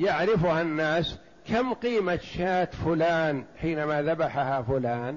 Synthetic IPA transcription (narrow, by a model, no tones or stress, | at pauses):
jaʕɾɪfʊhanːaːs | kamqiːmat̪ʃaːt̪fʊlaːnħiːnamaðabaħahafʊlaːn